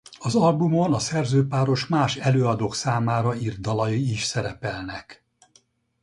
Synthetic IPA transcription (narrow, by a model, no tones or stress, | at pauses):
ɒzɒlbumo̞nɒsɛrzøːpaːɾo̞ʃmaːʃɛløːɒd̪oːksaːmaːɾɒird̪ɒlɒjiiʃsɛɾɛpɛlnɛk